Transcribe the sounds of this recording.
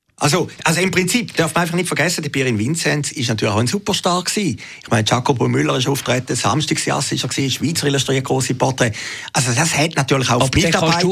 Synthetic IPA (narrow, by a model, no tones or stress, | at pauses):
ʔa̰lsoʔalsoimpʁɪnt͡sipd̥œɐfməʁaɪfɑχnɪtfəɐɡɛsədɛbiːʁɪnvɪnt͡sɛntsɪʃnatyːɐlɪaʊənsupəʁʃtɑkksiː | ɪχmaɪnət͡ʃakopomylːəʁɪʃuːftʁɛtəsa̰mʃtiksjɑ̰sɪʃɛɐksiːʃviːt͡səʁiluʃtʁiːət̚ɡʁoːsipʰɔtʁɛːʔalsodashɛtnatyːɐlɪχaʊfmitːɑɐʁbaɪ